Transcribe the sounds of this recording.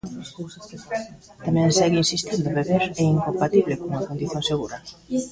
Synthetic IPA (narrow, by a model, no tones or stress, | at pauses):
t̪amɛ̃nsɛɣeinsist̪ind̪oβeβeɾɛiŋkompat̪iβlekoŋakond̪iθjoŋseɣ̞uɾɐ